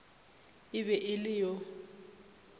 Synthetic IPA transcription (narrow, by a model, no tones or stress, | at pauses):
ɪβɛʔɪlɪjɔ